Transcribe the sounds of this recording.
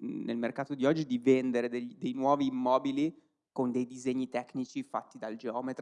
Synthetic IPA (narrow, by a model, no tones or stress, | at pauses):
nelmerkaːt̪od̪iɔd͡ʒːid̪ivend̪eɾed̪eʎːd̪ejnwɔːviːmːɔːbili | kond̪ejd̪izeɲːit̪ɛknit͡ʃifat̪ːid̪ald͡ʒeɔːmet̪